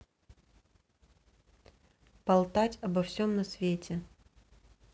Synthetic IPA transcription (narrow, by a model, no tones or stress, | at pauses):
pɐlˠt̪atʲɐbɐfsʲomnɐsvʲetʲɪ